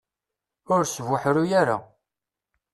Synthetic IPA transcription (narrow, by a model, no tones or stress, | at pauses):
ʊɾsvʊħɾujaɾa̰